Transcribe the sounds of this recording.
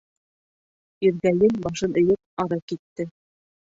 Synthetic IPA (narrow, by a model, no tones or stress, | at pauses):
iɾɡæjɘmbɑʃɤnɤ̆jɤp̚ɑɾɑkit̪ːɘ